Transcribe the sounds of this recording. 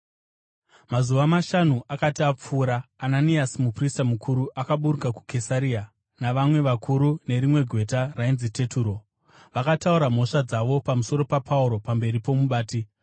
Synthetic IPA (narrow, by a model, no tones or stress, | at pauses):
mazuʋamaʃanuʔakatiap͡fuːɾaːnaniasimupristamukʰuɾuʔakaɓuɾukaku̥kʰe̞saɾia | naʋamwe̞ʋakʰuɾune̞ɾimwe̞ɡʱwe̞tarainzite̞tʰuːɾo̞ | ʋakatauɾam̤o̞ʂad͡zaʋo̞pamuso̞ɾo̞papʰauɾo̞pambe̞ɾipo̞muɓaːti